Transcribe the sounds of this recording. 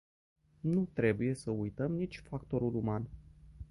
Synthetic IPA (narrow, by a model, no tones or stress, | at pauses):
nut̪ɾe̞buje̞səujt̪əmnit͡ʃʲfakt̪o̞ɾuluman